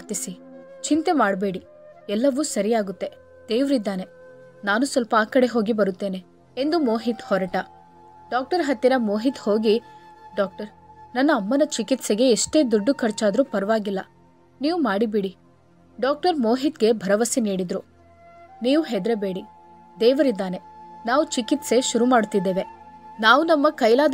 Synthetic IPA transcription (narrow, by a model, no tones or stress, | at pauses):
ɾt̪isit͡ʃint̪e̞maːɖbeːɽi | ɛlːɐʋusɐɾijaːɡut̪ːe̞ | d̪̥eːʋɾid̪ːaːne̞ | naːnusʋɐlpɐaːkɐɽe̞ɦo̞ːɡibɐɾut̪ːe̞ːne̞ | end̪umoːɦit̪hɔɾɐʈɐ | ɖaːk̚ʈɐɾɦɐt̪ːinɐmoːɦit̪ho̞ːɡiɖaːk̚ʈɐɾ | nɐnːɐːmːɐnɐt͡ʃikit̪seɡe̞iʂʈe̞ːd̪uɖːukʰɐɾt͡ʃaːd̪ɾupɐɾʋaːɡilːɐ̰ | niːʋumaːɽibiɽi | ɖaːk̚ʈɐɾmo̞ːɦit̪ɡe̞bʱɐɾɐʋɐsiniːɽid̪ɾu | niːʋuɦed̪ɾebe̞ːɽi | d̪eːʋɐɾid̪ːaːne̞naːʋut͡ʃikit̪se̞ʃuɾumaːɽut̪ːid̪ːeːʋe̞naːʋunɐmːɐkɐjlaː